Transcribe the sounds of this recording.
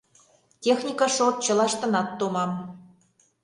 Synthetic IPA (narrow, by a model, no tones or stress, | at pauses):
tʲexnʲikɑʃort̪̚t͡ɕə̆lɑʃt̪ɤ̆nɑt̪ːomɑm